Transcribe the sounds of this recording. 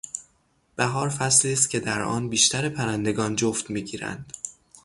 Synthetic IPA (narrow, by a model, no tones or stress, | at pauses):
b̥æɦɒːɾfæsliːst̪̚cʲʰe̞d̪æɾʔɒ̰ːnbiːʃt̪ʰæɾepʰæɾænd̪e̞ɡɒːnd͡ʒoft̪miːɟiːɾæ̰nd̪̥